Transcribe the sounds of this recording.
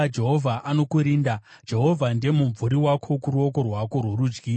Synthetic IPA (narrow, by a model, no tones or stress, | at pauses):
d͡ʒe̞ɦo̞vʱaʔano̞kuɾiːnda | d͡ʒe̞ɦo̞vʱande̞muɱvuɾiwakʰo̞kuɾuok̬o̞rwako̞rwoɾuːd͡ʒɡiː